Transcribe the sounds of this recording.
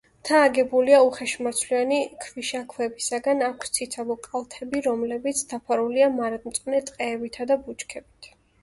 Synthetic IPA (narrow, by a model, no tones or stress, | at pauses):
t̪ʰaːɡɛbuliauχɛʃmat̪sʰlianikʰviʃakʰwɛbisaɡanakʷʰst̪sʰit̪sʰavɔkʼalˠt̪ʰɛbiɾɔmlɛbit̪sʰd̪apʰaɾuliamaɾad̪ʼmt̪sʼnɛt̪ʼqʼɛːbit̪ʰad̪abut͡ʃkʰɛbit̪ʰ